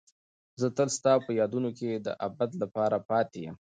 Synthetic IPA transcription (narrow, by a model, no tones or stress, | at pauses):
zət̪əlst̪ɑpəjɑd̪unoked̪ə̰ʔabat̪lapɑɾapɑt̪ejə̰m